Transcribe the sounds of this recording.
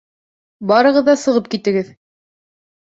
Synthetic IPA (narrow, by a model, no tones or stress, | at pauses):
bɑɾɤ̆ʁɤ̆ðːɑsɤ̆ʁɤp̚kit̪ɘ̆ɡɘð